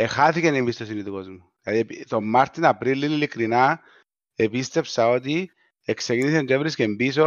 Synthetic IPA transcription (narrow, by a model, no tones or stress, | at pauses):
exaθicenimbist̪osinit̪uko̞zmu | lɐðiepit̪o̞mːaɾt̪inapɾilːinilikɾina | epist̪e̞psɐo̞t̪̬i | eksecinis̬ent̪evɾiscembiso